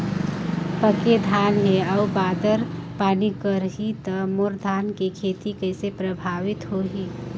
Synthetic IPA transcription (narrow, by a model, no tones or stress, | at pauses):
pəked̪ʱaːnɦẽaːbaːd̪əɾpaːnikəɾɦit̪əmoɾd̪ʱaːnkikʰeːt̪ikəːsepɾəbʱaːʋɪt̪ɦoɦi